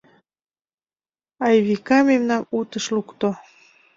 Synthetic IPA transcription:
ɑjβikɑmemnɑnut̪əʃlukt̪o

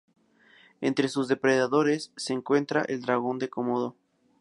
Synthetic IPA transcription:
e̞nt̪ɾe̞suzðe̞pɾe̞ðaðo̞ɾesːeːŋkwe̞nt̪ɾaʔeld̪ɾaɣo̞nd̪e̞ko̞moðo̞

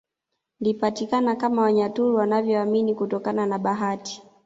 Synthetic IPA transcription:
lipatikanakamawaɲatuɾuwanavjɔaminikutɔkananaɓaɦati̥

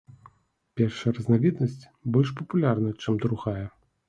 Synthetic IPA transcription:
pʲɛrʂɐjɛrɐznavʲɛd̪nɐsʲt͡sʲ | bɔlʲʂ̬pɐpulʲarnɐt͡ʂɛmd̪ɾuɣajɛ

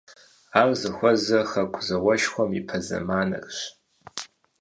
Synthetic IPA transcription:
aːmzɐxʷɔzɐxɐkʷʰʼzɐwɐʃxʷɔmipʰɐzɐ̰maːnɐ̰kɕ

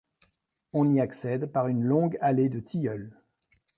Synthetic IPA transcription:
ɔ̃niaksɛd̪paʁynlɔ̃ɡaled̪ət̪ʰijœl

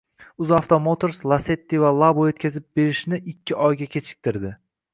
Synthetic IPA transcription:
ʊzaft̪ʰomot̪ʰoɾslˠase̞t̪ːivalˠabojot̪̚kʲʰazɪp̚be̞ɾɪʃnɪʔɪkʲːɪʔɒjɡʲakʲʰe̞t͡ʃʰɪ̥k̚ʲt̪ʰɪɾd̪ɪ

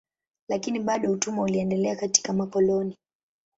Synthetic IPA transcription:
lakiniɓaɗɔutumauliɛndɛlɛakati̥kamakɔlɔni

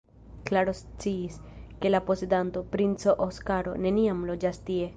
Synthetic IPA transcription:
klaɾo̞st͡siːske̞lapo̞se̞danto̞pɾint͡so̞ʔoskaɾo̞̰ne̞niamlo̞d͡ʒastie̞

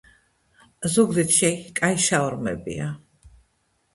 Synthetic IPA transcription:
zuɡd̪it̪ʰʃɛkʼaiʃaɔɾmɛ̰bḭa

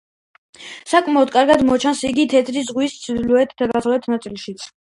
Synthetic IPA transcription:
sakʼmɛɔd̪̚kʼaɾɡad̪mɔt͡ʃʰansiɡit̪ʰɛt̪ʰɾizʁwist̪sʰid̪luɛt̪ʰd̪aɡaχlɛt̪ʰnat̪sʼilˠʃit̪sʰ

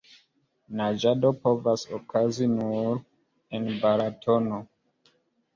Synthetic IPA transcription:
nad͡ʒadopovasokʰazinuɾ | enbaɾatʰono

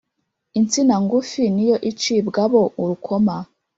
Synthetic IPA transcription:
int͡sinaŋɡufinijo̞ʔit͡ʃibɡaβo̞ʔuɾukʰo̞ma

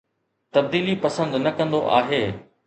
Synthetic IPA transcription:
t̪ɐb̚d̪iːlipɐsə̃nd̪nɐkɐ̃nd̪oʔaːɦeː

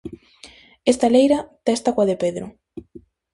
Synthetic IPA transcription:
est̪alejɾɐt̪ɛst̪akwaðepeðɾʊ̰

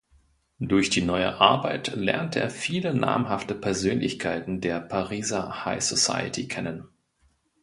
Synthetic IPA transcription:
d̥ʊɐçd̥iːnɔʏə̰ʔaɐbaɪtlɛ̰ɐntəʔḛːɐfiːləna̰ːmɦaftəpʰɛɐzøːnlɪçkʰaɪtn̩deːɐpʰaʁiːzɐha̰ɪsosa̰ɪətʰikʰɛnən

